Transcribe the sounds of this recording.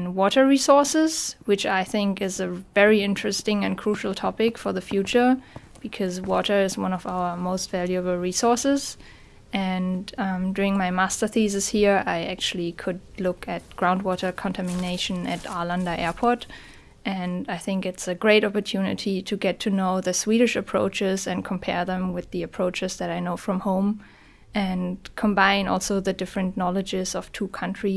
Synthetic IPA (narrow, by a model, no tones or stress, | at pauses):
nwɔɾə˞ɹisɔɹsɪz̥wɨt͡ʃaɪθɪ̃ŋkɪzɨvɛɹiɪ̃ntɹ̥ɨstɪ̃ŋɨ̃nkʰɹ̥uʃl̩ˠtʰɔpɪkfə˞ðɨfjʉt͡ʃə˞ | b̥ɨkʰʌzwɔɾə˞ɨzwʌ̰̃nʌva̰ʊə˞moʊstv̥ælˠjɨbl̩ˠɹisɔɹsɪz̥ | ʔɨ̃nʌ̃dʊɹɪ̃ŋmaɪmæstə˞θizɨz̥hiɹaɪæk̚t͡ʃʉl̩ˠikʰʊd̚lʊkʰɨt̚ɡ̥ɹãʊ̃nd̚wɔɾə˞kʰə̃ntʰæmɨneɪʃɨ̃nɨɾalãndɨʔɛɹpʰɔɹt | ʔɨ̃naɪθɪ̃ŋkɨtsɨɡɹeɪɾɑpə˞tʰjʉnɨ̰ɾiɾɨɡɛtʰɨnoʊðɨswiɾɨʃɨpʰɹ̥o̰ʊt͡ʃɪzɨ̃nkʰə̃m̩pʰɛɹðə̃mwɨðiɨpʰɹ̥oʊt͡ʃɨzðɨɾaɪnoʊfɹʌ̃mhõʊ̃m | ʔɨ̃nkʰə̃mbãɪ̃nɔ̰lˠsoʊðɨdɪfɹɨ̃nnɑlˠɨd͡ʒɪzʌv̥tʰukʰʌ̃ntʰɹ̥i